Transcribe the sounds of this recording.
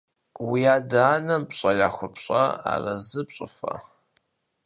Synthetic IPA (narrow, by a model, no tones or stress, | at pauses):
wiaːdaːnɐmpɕʼɐjaːxʷʊpɕʼɐa̰ːrɐzɨpɕʼɪfɐ̰